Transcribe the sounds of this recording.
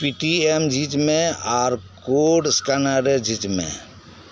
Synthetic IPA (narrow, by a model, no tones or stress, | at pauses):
piʈiemd͡ʒit͡ʃmẽaːɾkoɖskanaɾed͡ʒit͡ʃmḛ̃